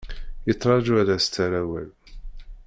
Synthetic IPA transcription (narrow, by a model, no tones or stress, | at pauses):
jət̪ˤːɾˤɑd͡ʒuæɾæst̪ːæɾæwæ̰l